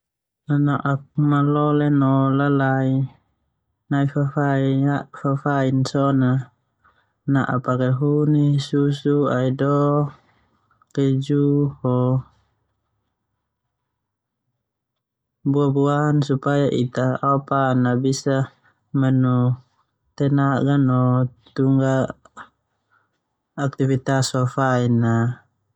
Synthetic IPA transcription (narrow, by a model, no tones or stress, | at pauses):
anaʔap̚malɔlɛnɔlalai | naifafaiafafainsɔna | naʔapakɛɦunisusuaidɔ | kɛd͡ʒuhɔ | buabuansupajaʔit̪aapanabisa | mɛnɔ | t̪ɛnaɡanɔt̪uŋɡa | k̚t̪ifit̪asɔfaina